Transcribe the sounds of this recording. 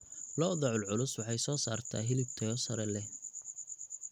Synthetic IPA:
lɔːðɔʕʊlʕʊlʊswɑħɑjsɔːsaːrt̪ʰa̰ːɦɪlɪb̚t̪ʰɐjɔsɐɾɛlɛ

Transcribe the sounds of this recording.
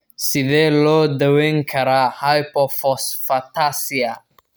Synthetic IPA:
siðɛlɔdaweŋkʰaɾahajpɔfɔsfatasia

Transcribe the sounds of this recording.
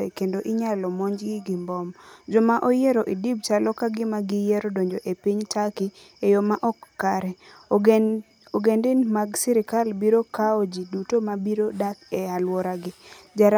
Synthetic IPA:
ɛkendoʔɪɲalɔmɔɲd͡ʒɡɪɡɪmbɔmd͡ʒɔmaʔojeɾoʔidib̚t͡ʃalɔkaɡɪmaɡɪjeɾodoɲd͡ʒoʔepiɲtakɪ | ejomaʔɔkːaɾɛ | oɡendɪnmaɡsiɾɪkalbiɾokaod͡ʒidutomabiɾodakɛalwɔɾaɡɪd͡ʒaɾ

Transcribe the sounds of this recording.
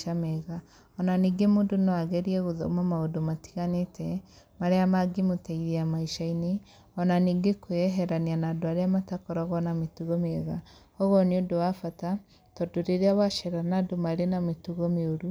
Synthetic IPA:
ameɣa | ɔnaniːɡemoːndonɔaɣɛɾiɛɣoðɔumamaodomati̥ɣanetʰɛ | maɾeamaɡemotaiðeamaiʃaine | ɔnaniːɡekoɛɦɛɾanianadoaɾeamatakɔɾɔɣɔnametuɣɔmeɣa | ɔɣɔneodowafata | tɔdoɾeɾeawaʃeɾanadomaɾenametuɣɔmeoɾu

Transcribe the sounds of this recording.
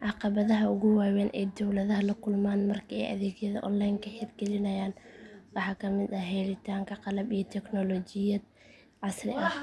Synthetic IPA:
ʕɑqɑβɐðɐɦɐʊɣʊwaːwɛːnʔɛ̰ːd̪ɔwlɐðɐɦɐlɐkʰʊlmaːnmɐrkʰiɛ̰jʔɐ̰ðɛːɣjɐðɐʔɔ̰nlajnkʰɐħɪd̪ɡɛlɪnɐjaːnwɑħɑːkʰɐmɪd̪ɐɦɛlɪt̪ʰaːŋkʰɐqɑlɐbijɔt̪ʰɛknɔlɔːt͡ʃɪjɐd̪̚ | ʕɑsrɪʔɐ

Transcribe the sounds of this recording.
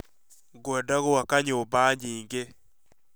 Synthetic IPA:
ɡwɛdaɣoakaɲoobaɲiːŋɡe

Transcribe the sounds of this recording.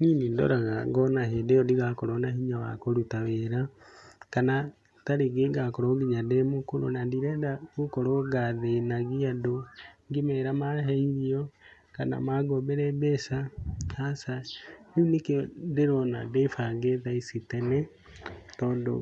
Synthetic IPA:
niːnindo̰ɾaɣaɡɔnaɦedeɔdiɣakoɾonahiɲawa̰koɾutaweɾakana | taɾeɡeɡakoɾoɡiɲademokoɾo̰nandiɾɛdakukoɾoɡaðenaɡiadoŋɡimɛɾamaɦeiɾio | kana̰maɡobeɾɛbɛsahasaninekedeɾona̰defaɡeðaisitɛnɛ | tɔːndo̰

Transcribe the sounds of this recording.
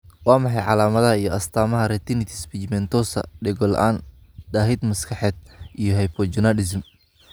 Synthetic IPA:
wɑːmɑħɑjʕɑlaːmɐðɐɦɐijɔʔɐst̪ʰaːmɐɦɐɾɛt̪ʰɪnɪt̪ʰispit͡ʃmɛnt̪ʰɔsɐ̰ɖɛɣɔlʔaːn | ɖaːɦɪd̪mɐskʰɑħɛːd̪̚ʔijɔɦɐjpʰɔd͡ʒʊnalɪs̬m

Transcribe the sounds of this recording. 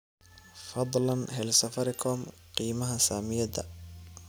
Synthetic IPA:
fɑd̪ˤlɐnɦɛlsɐfɐɾɪkʰɔːm | qiːmɐɦɐsaːmɪjɐd̪ɐ̰

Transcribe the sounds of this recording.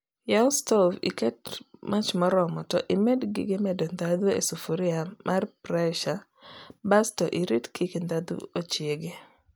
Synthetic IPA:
jalstɔvḭkɛt̚mat͡ʃmɔɾɔmɔtɔʔimedɡɪ̰ɡɪmɛdɔnd̪ad̪uḛsufuɾɪamʔarpɾɛʃa | bastɔʔiɾitkʰikend̪ad̪ṵot͡ʃjeɡe

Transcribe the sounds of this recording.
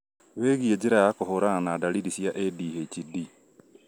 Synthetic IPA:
weːɣied͡ʒeɾajakoɦoɾanadalidisjaʔediɦet͡ʃidi

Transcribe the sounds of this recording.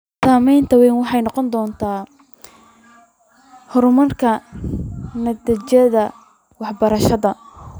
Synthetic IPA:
saːmɛjnt̪ʰɐwɛjnwɑħɑjnɔqɔnd̪ɔːnt̪ʰaː | hʊɾmɐrkʰɐ | nɐd̪ɐt͡ʃɛðɐ | wɑħbɐɾɐʃɐðɐ

